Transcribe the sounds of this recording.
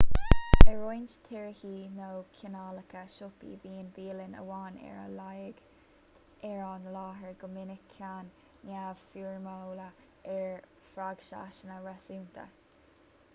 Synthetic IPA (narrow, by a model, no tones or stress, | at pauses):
əɹojnt͡ʃt̪ʰɪɹhiːnowkʰɪnaːləkəʃʊpḭːviːnbiːlɪnə̰waːnɛ̰ɹə̰lajɡ̥ | ɛɹaːnlɑːɦəɹɡəmɪnɪkʰːanː | jaːvfuːɹmowlə | ɛɹ | fɾaɡʃa̰ʃənəɹɛsuːnt̪ʰə̰